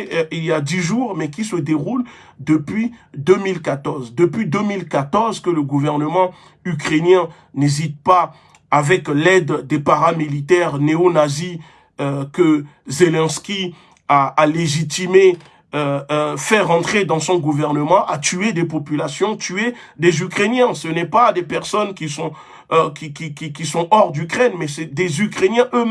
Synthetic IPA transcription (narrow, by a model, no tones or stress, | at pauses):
iljad̪iʒuʁmɛkʲisəd̪eʁul | d̪əpɥid̪ømilkat̪ɔʁzd̪əpɥid̪ømilkat̪ɔʁzkələɡuvɛʁnəmɑ̃ | ykχenjɛ̃ | nezit̪̚pa | avɛklɛd̪ːepaʁamilit̪ɛʁneonazi | kə | zelɛ̃nskʲi | aːleʒit̪ime | øfɛʁɑ̃t̪χed̪ɑ̃sɔ̃ɡuvɛʁnəmɑ̃ʔat̪yed̪epɔpylasjɔ̃t̪ye | d̪ezykχenjɛ̃sənɛpad̪epɛʁsɔnkʲisɔ̃ | kʲikʲikʲikʲisɔ̃ɔʁd̪ykχɛnmɛsɛd̪ezykχenjɛ̃ʔø